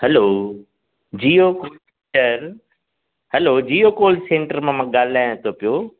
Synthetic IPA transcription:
hɐloː | d͡ʑiːoko | ʈəɾ | hɐloːd͡ʑiːokoːlsẽːɳʈəɾmãːmãːɠaːl̤aːj̃t̪ʰopijoː

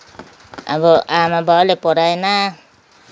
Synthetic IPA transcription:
a̰bɔʔamabalepɔɾajna

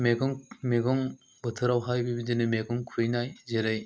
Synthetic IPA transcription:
meɡɯŋmeɡɔŋ | bɯtʰɯɾawɦajbibidenɯmeɡɔŋkʰuɾɯjnajzeɾɯj

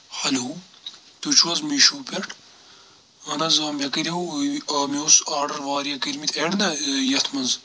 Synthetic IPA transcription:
hɐlu | t̪ut͡ʃʰwɐzmiʃuːpʲɐʈʰ | ɐnɐzaːmʲjɐkiɾʲɐɦuɐːmioːsaːɖɐɾʋaːɾijɐkiɾmit̪ʰeɽnɐjɐt̪ʰmɐnz

